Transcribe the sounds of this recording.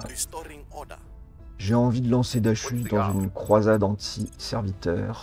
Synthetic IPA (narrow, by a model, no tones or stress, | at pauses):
ʒeɑ̃vid̪əlɑ̃sed̪aʃyd̪ɑ̃zynkχwazad̪ɑ̃t̪ʰisɛʁvit̪œ̰ːʁ